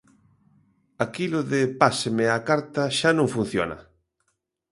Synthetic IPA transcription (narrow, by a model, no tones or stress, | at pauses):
akilʊðɪpasemɪakaɾt̪ɐʃanõŋfun̟θjo̰nɐ̰